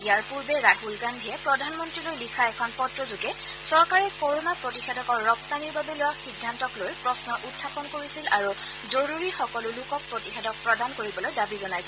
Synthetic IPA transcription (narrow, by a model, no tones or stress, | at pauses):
ijaɹpuɹbɛɹaɦulɡandʱijɛpɹɔdʱanmɔntɹilojlikʰaɛkʰɔnpɔtɹɔzuɡɛ | sɔɹkaɹɛkoɹonapɹotixɛdɔkɔɹːɔpt̪aniɹbabɛlʊwaxidʱːantɔklojpɹɔsnɔʔutʰːapɔnkoɹisilaɹu | zoɹuɹixɔkɔlʊlukɔk̚pɹotixɛdɔk̚pɹɔdankoɹibɔlojdabizɔnajsɛ